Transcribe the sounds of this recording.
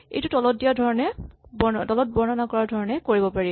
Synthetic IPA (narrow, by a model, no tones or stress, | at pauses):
ḛjtʊtɔlɔt̚dijadʱɔɹɔnɛbɔdɔlɔt̚bɔɹnɔnakɔɹaɹdʱɔɹɔnɛkoɹibɔpaɹi